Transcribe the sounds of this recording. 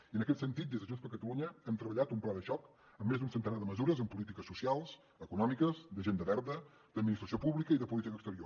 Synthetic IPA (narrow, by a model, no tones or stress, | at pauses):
iənəkɛt̪sənt̪it̪d̪ezðəʒunzβəɾkət̪əluɲəɛmt̪ɾəβəʎat̪umplaðəʃɔk | əmːezunsənt̪ənaðəməzuɾəzəmpulit̪ikəsusialˠz̥ | əkunɔmikəzd̪əʒend̪əβɛɾðə | d̪əd̪minist̪ɾəsiopuβlikəiðəpulit̪ikəkst̪əɾio